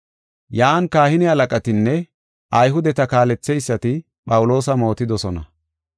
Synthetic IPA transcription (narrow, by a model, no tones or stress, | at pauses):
jaːnkaːhɪnɪɐlɐkʼɐt̪ɪnːɛ | ʔɐjɦʊd̪ɛt̪ɐkaːlɛt͡sːɛjsːɐt̪ɪ | pʼɐwʊlo̞ːsɐmo̞ːt̪ɪd̪ɔsɔnɐ̰